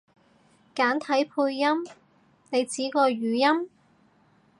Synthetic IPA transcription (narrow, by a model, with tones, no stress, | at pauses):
kaː˨˥nt̪ʰɐ˨˥jpʰuː˧jːɐ˥m | ne˨˧jt͡siː˨˥kɔː˧ɥyː˨˩jɐ˥m